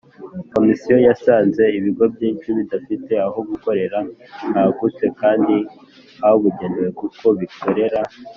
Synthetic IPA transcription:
ko̞misijo̞jasaːnze̞iβiɡo̞bɟiːnt͡ʃuβidafite̞aɦoɡuko̞ɾe̞ɾan̥haːɡut͡se̞kaːndi | haoβuɟeniwe̞kuko̞βiko̞ɾe̞ɾa

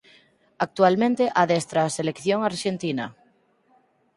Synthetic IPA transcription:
ak̚t̪ualmẽnt̪eʔaðest̪ɾaselekθjoŋaɾʃent̪ina

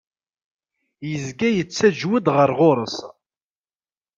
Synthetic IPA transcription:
jəzɡæjət͡sːæd͡ʒwəd̪ʁəɾʁʊɾˤəs

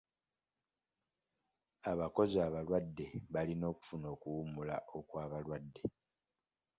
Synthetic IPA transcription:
aβako̞ziaβalwadːe̞βalino̞ːku̥funo̞ːkuwumula̰ʔo̞kwaːβalwadːe̞

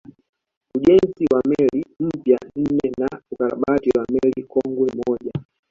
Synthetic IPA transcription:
uʄɛnziwamɛlim̩pjan̩nɛnaukaɾa̰ɓatiwamɛlikɔŋɡwɛmɔʄa

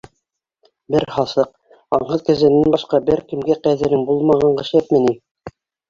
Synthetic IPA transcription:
bɘɾhɑsɤq̚ | ɑɴɤðkæ̆zɘ̆nːænbɑʃqɑbɘɾkɘ̆mɡæqæðɘ̆ɾɘŋbulˠmɑʁɑɴɢɤ̆ʃæt̪mɘ̆ni

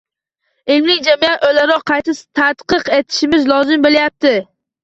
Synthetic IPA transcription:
ɪlmnɪŋʲd͡ʒamijat̪olaɾɒqʰːɑjt̪ʰɪst̪ʰat̪qɨqe̞t̪ʰɪ̥ʃɪmɪzlˠɒzɪmbolajap̚t̪ɪ

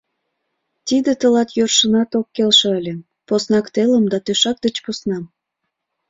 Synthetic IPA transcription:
t̪id̪et̪əlɑt̪jørʃənɑt̪okːelʃĕəlʲe | posnɑkt̪eləmd̪ɑt̪øʃɑk̚d̪ət͡ɕpusnɑm

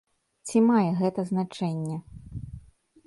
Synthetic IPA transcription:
t͡sʲimajɛɣɛt̪ɐznat͡ʂɛnʲːɛ

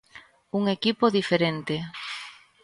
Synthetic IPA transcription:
uŋekipoðifeɾent̪e

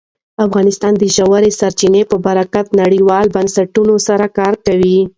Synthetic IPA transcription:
afɣɑnɪst̪ɑnd̪əʒawaɾesaɾt͡ʃinepəbaɾakat̪naɽiwɑlbansaʈunosaɾakɑɾkawi

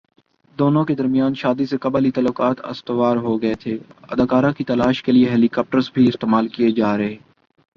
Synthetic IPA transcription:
d̪oːnõked̪ɐɾmijaːnʃaːd̪isekɐbalit̪ɐːlːokaːt̪ɐ̰st̪əʋaːɾɦoɡɐet̪ʰeːɐ̰d̪aːkaːɾãkit̪ɐlaːʃkelieɦɛːlikɔːp̚ʈəɾzbʱiɪst̪eːmaːlkijed͡ʒaːɾɐɦeː

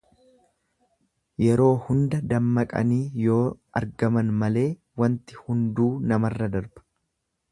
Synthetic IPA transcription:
jɛɾo̞ːhʊnd̪ɐd̪ɐmːɐkʼɐ̰niːjo̞ːɐ̰ɾɡɐmɐnmɐle̞ː | wɐnt̪ɪ̥hʊnd̪uːnɐmɐrːɐd̪ɐɾbɐ̥

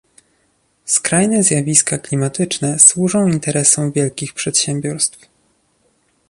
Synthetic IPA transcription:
skɾajnɛzʲjavʲiskaklʲimat̪ɘt͡ʂnɛswuʐɔ̃w̃int̪ɛɾɛsɔ̃w̃vʲjɛlkʲixpʂɛt̪ɕɛmbʲjɔɾst̪f

